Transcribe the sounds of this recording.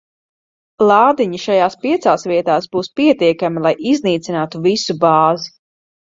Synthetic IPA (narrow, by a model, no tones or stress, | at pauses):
lˠɑːd̪iɲiʃajaːspiɛt̪saːsvʲiɛt̪aːsbuːspiɛt̪iɛkamilˠajizniːt̪sinaːt̪uvisubaːzi